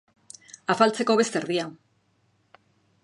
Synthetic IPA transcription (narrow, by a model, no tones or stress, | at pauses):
afalt͡se̞ko̞βe̞st̪e̞ɾðia